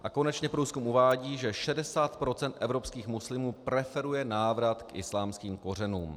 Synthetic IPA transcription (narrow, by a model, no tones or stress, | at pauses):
ʔako̞nɛt͡ʃɲɛpɾuːskumʔuvaːɟiːʒɛʃɛdɛsaːt̪pɾo̞t͡sɛnt̪ʔɛvɾo̞pskiːxmuslɪmuːpɾɛfɛɾujɛnaːvɾat̪kʔɪ̰slaːmskiːmko̞rɛnuːm